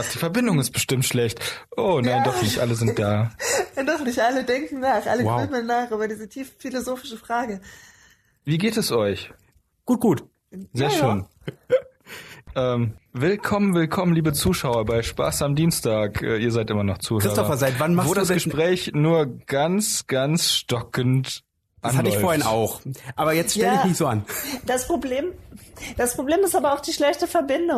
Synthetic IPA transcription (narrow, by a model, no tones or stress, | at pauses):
ad̥iːfɛɐbɪndʊŋɪst̚b̥əʃtɪmtʃlɛçtʔoːnaɪndɔχnɪçtʔaləzɪnt̚d̥aːadɔχnɪçtʔalədɛŋkŋ̩naːχʔa̰ləamənaːχʔyːbɐdiːzətʰiːffilozoːfɪʃəfʁ̥aːɡə | viːɡeːtɛsʔɔʏç | ɡ̥uːt̚ɡ̥uːt | zeːɐʃøːn | ʔɛːmvɪlkʰɔmənvɪlkʰɔmənliːbət͡suːʃaʊɐbaɪʃpa̰ːsamdiːnstaːkʔɛ̰ːiːɐzaɪtʔɪmɐnɔχt͡suːhɪsːtɔɐfɐzaɪtvanmavoːdasɡ̥əʃpʁ̥ɛːçnuːɐɡ̥ant͡sɡ̥ant͡sʃtɔkənt | ʔanhaləɔʏfoːɐhɪna̰ʊxʔaːbɐjɛt͡sttɛlːəɪçmɪçz̥oːand̥aspʁ̥obleːmd̥aspʁ̥obleːmɪstaːbɐaʊxd̥iːʃlɛçtəfɛɐbɪndʊ